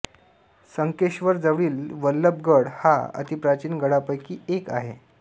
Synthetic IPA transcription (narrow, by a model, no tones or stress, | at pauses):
səŋkeɕʋəɾd͡zəʋɭiːlʋəlːəb̚ɡəɽha̰ə̰t̪ipɾat͡ɕiːnɡəɽapəjkiːeka̰ɦe